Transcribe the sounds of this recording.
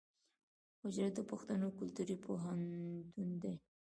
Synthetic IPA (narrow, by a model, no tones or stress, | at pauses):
hʊd͡ʒɾat̪̚d̪əpʊxt̪anokʊlt̪uɾipʰoɦant̪und̪e